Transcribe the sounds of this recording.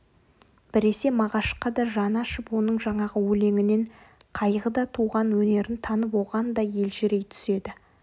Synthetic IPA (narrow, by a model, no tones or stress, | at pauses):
b̥ɪɾe̞se̞mɑʁɑʃqɑd̪ɑʒɑnɑʃəpwo̞nəɴʒɑɴɑʁəwɵle̞ŋɪne̞ɴqʰɑjʁəd̪ɑt̪ʰuʁɑnwɵne̞ɾɪnt̪ʰɑnəpwo̞ʁɑnd̪ɑje̞lʒɪɾe̞jt̪ʰʏ̥se̞d̪ɪ